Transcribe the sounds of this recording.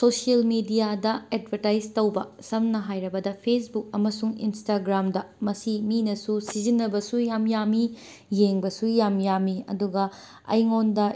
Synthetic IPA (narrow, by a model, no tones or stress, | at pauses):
sosiɐlmidijadɐed̚bʱɐɾtajztɐwbɐ̰sɐmnɐɦajɾɐbɐdɐpʰesbuk̚ɐmɐsuŋḭnstaɡɾamdɐmɐsiminɐsusizinːɐbɐsujamjami | jeŋbɐsujamjamːiɐ̰duɡɐ | ɐ̰jŋondɐ